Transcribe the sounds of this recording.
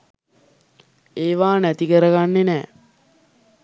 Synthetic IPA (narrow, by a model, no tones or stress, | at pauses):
eːʋaːnæt̪ikəɾəɡanːenɛː